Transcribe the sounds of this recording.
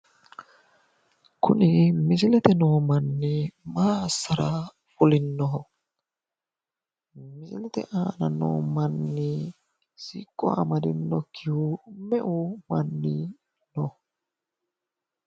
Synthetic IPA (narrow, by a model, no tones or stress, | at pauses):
kʰʊnɪmɪsɪlɛt̪ɛnoːmɐnːɪmaːsːɐɾɐ | ʊlɪnːɔɦɔ | mɪsɪlɛt̪ɛ̰ʔaːnɐno̰ːmɐnːɪ | siːkʼːɔa̰mɐd̪ɪnːɔkʰːɪhumɛʔʊmɐnːi | nɔh